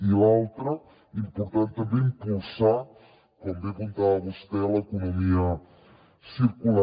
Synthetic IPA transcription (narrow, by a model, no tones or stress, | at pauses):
ilalˠt̪ɾə | impuɾt̪ant̪əmbeimpulsa | kɔmbekunt̪aːβust̪ɛləkunumiə | siɾkula